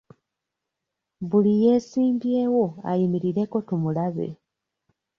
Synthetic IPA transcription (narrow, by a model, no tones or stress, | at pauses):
βulije̞ːsiːmbje̞ːwo̞a̰jimiɾiɾe̞ko̞tumulaβe̞̰